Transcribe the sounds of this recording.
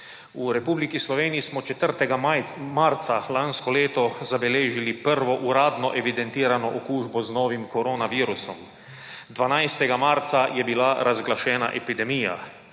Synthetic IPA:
uɾɛpuːblikislɔʋeːnijismɔt͡ʃɛt̪əɾt̪ɛɡamaɾt̪salanskɔleːt̪ɔzabɛleːʒilipəɾʋɔʔuɾaːd̪nɔʔɛʋid̪ɛnt̪iːɾanɔʔokuːʒbɔznɔːʋimkɔɾoːnaʋiːɾusɔm | d̪ʋanajst̪ɛɡamaɾt̪sajɛbilaɾʔazɡlaʃɛːna̰ʔɛpid̪ɛmija̰

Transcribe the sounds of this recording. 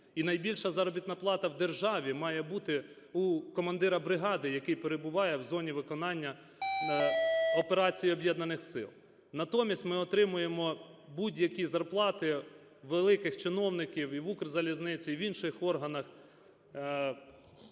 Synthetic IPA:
inɐjbʲilʲʃɐzɑɾɔbʲit̪nɐplˠɑt̪ɐwd̪erʒɑʋʲimɑjɛbut̪ɪ | ukɔmɐnd̪ɪɾɐbɾɪɦɑd̪ɪjɐkɪjpeɾebʊʋɑjɛwzɔnʲiʋɪkɔnɑnʲːɐ | ɔpeɾɑt͡sʲijiɔbjɛd̪nɐnɪxsɪ̰lˠ | nɐt̪ɔmʲisʲtʲmɪɔt̪ɾɪmʊjemɔbudʲjɐkʲizɐrplˠɑt̪ɪ | ʋelˠɪkɪxt͡ʃɪnɔwnɪkʲiwiʋukrzɐlʲiznɪt͡sʲiʋinʃɪxɔrɦɐnɐx

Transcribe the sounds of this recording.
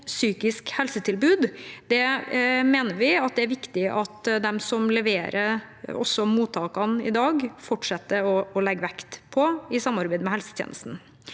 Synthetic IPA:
syːkɪskhɛlsət̪ʰɪlbʉːd̪d̪̥ɛmeːnəɾʋɪɑt̪̚d̪ɛæɾʋɪkt̪ɪʔɑt̪d̪ɛmsɔmlɛʋeːɾʔəɔ̰sːɔmuːt̪ʰːɑːkɑnɪ̰d̪ɑːɡfɔʈʂɛt̪ːəɔɔlɛɡːəʋɛkt̪pʰɔɪsɑmːɑɾbɛɪd̪əmɛhɛlsə̥t̪ʰjḛnəst̪n̩

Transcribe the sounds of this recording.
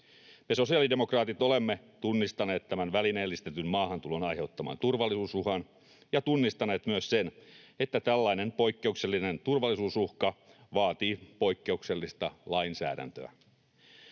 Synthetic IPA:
me̞so̞siɑlidemokrɑːt̪it̪o̞lemːe | t̪unːist̪ɑneːt̪t̪æmænʋælineːlːist̪et̪ynmɑːɦɑnt̪ulonɑjhe̞ut̪ːɑmɑ̰ːnt̪urʋɑlːisuːsuhɑn | jɑt̪unːist̪ɑne̞ːt̪myøssenet̪ːæt̪ælːɑinenpo̞ikːe̞ukse̞lːinent̪urʋɑlːˑisuːsuhkɑʋɑːt̪iːpo̞ikːe̞ukse̞lːist̪ɑlɑinsæ̰ːdæ̰nt̪ø̰æ̰

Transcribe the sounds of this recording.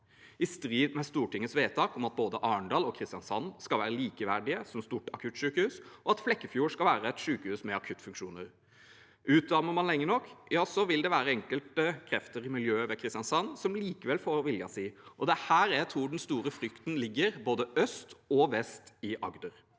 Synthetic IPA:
ɪst̪ɾiːd̪mɛst̪uːʈɪŋːət̪sʋeːt̪ʰɑːkɔmɑt̪̚boːd̪əʔɑːɳɖɑːlɔkʰɾɪst̪ɪjɑnsɑnːskɑlʋæːɾəliːkəʋæɖɪəsɔmst̪uʈɑkʰʉt̪ʃʉːkəhʉːsɔɑt̪flɛkːəfjuːʂkɑlʋæːɾəɛt̪ʂʉːkəhʉːsmɛɑkʰʉt̪ːfʉŋkʂuːnəɾ | ʉːt̪̚d̪ɑməmɑnlɛŋːənɔkːjɑːsɔʋɪld̪ɛʋæːɾəɛŋkəlt̪əkʰɾɛft̪əɾɪmɪljøːʋɛkʰɾɪst̪ɪjɑnsɑnːsɔmliːkəʋɛlfoːɾʋɪljɑsiːʔɔd̪ɛhæːɾjæɪt̪ʰɾuːɖɛnst̪uːɾəfɾʏkt̪nlɪɡːəɾboːd̪əœst̪ɔʋɛst̪ɪʔɑɡd̪əɾ

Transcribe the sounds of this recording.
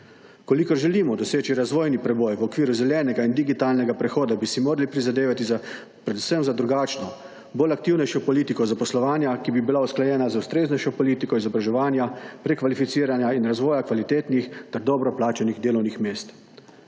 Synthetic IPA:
kɔlikɔɾʒɛliːmɔd̪ɔseːt͡ʃiɾazʋɔːjnipɾɛbɔjʋɔkʋiːɾuzɛlɛːnɛɡaind̪iɡit̪aːlnɛɡapɾɛxɔːd̪abisimoːɾalipɾizad̪eːʋat̪iza | pɾɛd̪usəmzad̪ɾuɡaːt͡ʃnɔ | boːlak̚t̪iwnɛjʃɔpɔliːt̪ikɔzapɔslɔʋaːnjakibibilausklajɛːnazaust̪ɾeːznɛjʃɔpɔliːt̪ikɔizɔbɾaʒɛʋaːnjapɾɛkːʋalifit̪siːɾanjainɾazʋɔːjakʋalit̪eːt̪nixt̪ɛɾd̪ɔːbɾɔplaːt͡ʃaniɣd̪eːlɔwnixmeːst̪

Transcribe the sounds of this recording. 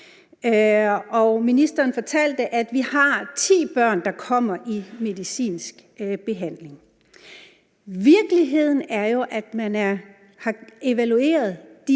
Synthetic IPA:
ɒminisd̥ɐːnfɒ̽t͡sʰæl̰d̥əʔæd̥ʋihɑ̈t͡sʰḭːb̥ɶɐ̰nd̥ɑ̈kʰɒ̽m̰ɐʔime̝ðˠisḭːnsɡ̥b̥e̝ɦæn̰le̝ŋ | ʋiɐɡ̥əliɦe̝ð̞̰ˠn̩æɐjo̝ʔæd̥mænæɐ | hɑ̈e̝ʋælue̝̰ːɐð̞̩ˠd̥i

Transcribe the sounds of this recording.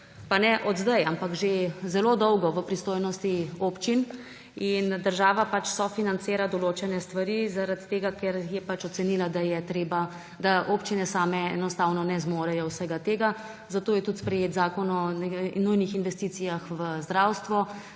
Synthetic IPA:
panɛʔɔd̪zd̪ajampakʒezɛloːd̪ɔwɡɔʋəpɾist̪oːjnɔst̪ioːpt͡ʃin | ind̪əɾʒaːʋapat͡ʃsɔfinant̪seːɾad̪ɔloːt͡ʃɛnɛst̪ʋaɾizaɾat̪t̪ːeːɡakɛɾjɛpat͡ʃɔt̪sɛnilad̪ajɛt̪ɾeːba | d̪aʔoːpt͡ʃinɛsaːmɛɛnɔst̪aːwnɔnɛzmoːɾɛjɔwsɛɡat̪eːɡa | zat̪oːjɛt̪ut̪spɾɛjeːt̪zaːkɔnɔɛnujnixinʋɛst̪iːt̪sijaxʋəzd̪ɾaːwst̪ʋɔ

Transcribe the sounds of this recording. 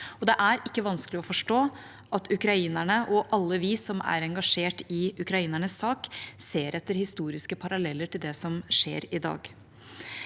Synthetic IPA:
ɔd̪ɛʔæɾʔɪkːəʋɑnsklɪɔfɔʂʈoː | ʔɑt̪ʰʉkɾɑiːnæɳəʔɔʔɑlːəʋiːsɔmæ̰ɾɛŋɡɑʂeːʈɪʉkɾɑiːnæɳəsːɑːkseːɾʔɛt̪ːəɾhɪst̪uːɾɪskəpʰɑɾɑlɛlːəʈʰɪld̪ɛsɔmʂḛːɾɪd̪ɑ̰ːɡ

